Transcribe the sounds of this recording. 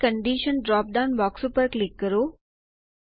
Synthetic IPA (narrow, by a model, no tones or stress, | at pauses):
kəɳɖiːʃənɖɾɔːp̚ɖaʊnbɔːksupəɾklɪkːəɾoː